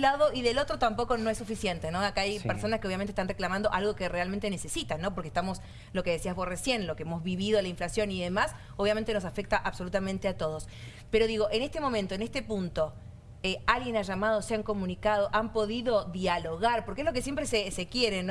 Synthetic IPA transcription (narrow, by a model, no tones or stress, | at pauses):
laðo̞ʔiðe̞lo̞t̪ɾot̪ampo̞ko̞noesufisjent̪e̞no̞akaajppeɾso̞naskeojamnt̪est̪anreklamãnd̪oʔalɣo̞kerealmẽnt̪e̞ne̞se̞sit̪anːo̞p̬oɾkest̪amo̞s | lo̞keðesiazβo̞sresje̞nlo̞keemo̞zβiβiðo̞laiɱflasjo̞niðe̞mas | oβjamẽnt̪eno̞s̬afek̚t̪aʔaβso̞lut̪amẽnt̪eat̪o̞ð̞o̞s | peɾoðiɣ̞o̞ʔene̞st̪emo̞mẽnt̪o̞enest̪e̞punt̪o̞ | ealɣjenaʒamað̞oseaŋko̞mũnikað̞oʔampo̞ðiðo̞ðjalo̞ɣaɾpoɾkeezlo̞k̬esjempɾesesekjeɾen